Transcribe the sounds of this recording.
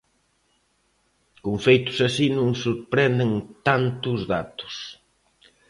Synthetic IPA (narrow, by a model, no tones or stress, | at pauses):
koɱfejt̪ʊ̥sasinũŋsuɾpɾɛnd̪ent̪ant̪ʊzðat̪ʊ̥s